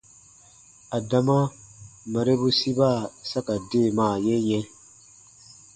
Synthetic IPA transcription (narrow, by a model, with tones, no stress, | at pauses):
a˨da˨ma˦ma˨ɾe˦bu˦si˦ba˦˨sa˦ka˨de˦˨maː˦˨je˦jɛ̃˦